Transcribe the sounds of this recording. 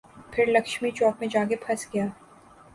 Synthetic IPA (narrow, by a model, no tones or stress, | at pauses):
pʰɪɾlɐkʃmit͡ʃɔːkmẽd͡ʒaːɡepʰɐsɡijaː